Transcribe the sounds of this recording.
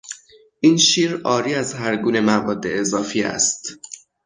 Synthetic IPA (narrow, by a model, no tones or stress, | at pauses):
ʔiːnʃiːɾʔɒːɾiːæzhæɾɡuːne̞mævɒːd̪ːe̞ezɒːfiːæ̰st̪